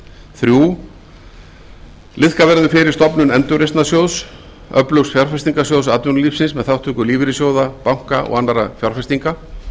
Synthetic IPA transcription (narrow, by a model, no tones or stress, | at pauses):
θɾjuː | lɪðkavɛɾðʏfɪɾɪɾ̥st̪ɔpnʏnɛnt̪ʏɾest̪nasjowðs | œplœwsfjɔɾ̥fɛst̪iŋkasjowðsat̪ʏnliːfsɪnsmɛðθawht̪ʰʏŋkʏliːvɪɾɪsjoːwðapawŋ̥kaʔɔ̰ɣanːaɾafjɔɾ̥fɛst̪iŋka